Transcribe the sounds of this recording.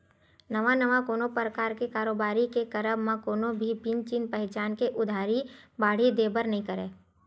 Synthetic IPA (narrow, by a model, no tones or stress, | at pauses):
nəʋanəʋakoːnopɾəkaːɾkekaːɾoːbaːɾikekəɾəbmãkoːnobʱibĩnt͡ʃinpɛɦt͡ʃaːnkeʔʊd̪ʱaːɾibaːɽ̤id̪eːbəɾnɐɦĩkəɾẽː